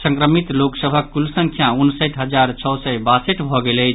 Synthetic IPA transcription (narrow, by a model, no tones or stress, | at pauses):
sə̃ŋkɾəmit̪loksəbʱəkːulsəŋkʰjaunsəʈɦəd͡ʒaɾt͡ʃʰɔwsɛbaseʈbʱɔɡelɛ